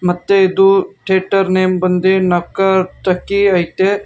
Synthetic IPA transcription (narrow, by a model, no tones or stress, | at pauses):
mɐt̪ːeːd̪uʈʰeːʈɐɾneːmbɐnd̪enɐkɐɾʈ̪ɐkiɐjt̪e